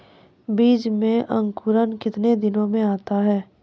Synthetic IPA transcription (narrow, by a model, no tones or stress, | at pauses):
biːd͡ʒmẽʔɐ̃ŋkʊɾənkɪt̪ned̪ɪnõmẽaːt̪aɦɛː